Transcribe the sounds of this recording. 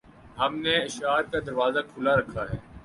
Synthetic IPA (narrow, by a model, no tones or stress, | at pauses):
ɦɐmneɪʃaːɾ̚kad̪ɐɾʋaːzakʰʊlaɾɐkʰaɦɛː